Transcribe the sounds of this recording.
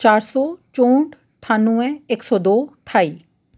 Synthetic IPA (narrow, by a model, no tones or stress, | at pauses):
t͡ʃaːɾsɔːt͡ʃõːɳʈ | ʈʰaːnuɛ̃eːksɔːd̪oːʈʰaːiː